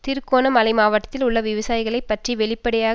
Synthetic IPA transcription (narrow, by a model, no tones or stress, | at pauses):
t̪ɪɾkoːnɐmɐlɐɪmaːʋɐʈːɐt̪ːɪlʊɭːɐʋɪʋɐsaːjɪɣɐɭɐɪpːɐʈriʋɛɭɪpːɐɽɪjaː